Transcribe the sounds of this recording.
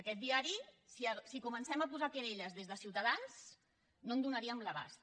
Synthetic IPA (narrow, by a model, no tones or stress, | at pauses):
əkɛt̪̚d̪iaɾisiəsikumənsɛməpuzakeɾeʎəzðezðəsiwt̪əðans | nond̪unəɾiəmləβa̰s